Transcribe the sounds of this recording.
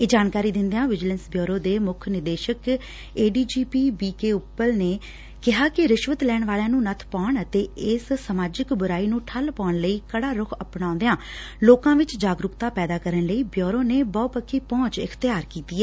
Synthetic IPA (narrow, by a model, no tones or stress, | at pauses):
ed͡ʒaːnkaːɾiːd̪ɪ̃nd̪ejãːʋɪd͡ʒlənsbjoːɾoːd̪eːmʊkʰnɪd̪eːʃək | eːɖiːd͡ʒiːpiːbiːkeːʊpːəlneː | kɪɦaːkɪɾɪʃʋət̪lɛːɳʋaːljãːnũːnət̪ʰpaːɳət̪eːɪssəmaːd͡ʒɪkbʊɾaːiːnũːʈʰəlpaːɳləiːkəɽaːɾʊkʰəpɳ̃ãːnd̪ejãː | loːkãːʋɪt͡ʃd͡ʒaːɡɾʊkt̪aːpɛːd̪aːkəɾəɳləiːbjoːɾoːneːbɔːpəkʰːiːpɔ̃ːt͡ʃɪkʰt̪ɪjaːɾkiːt̪iːɛː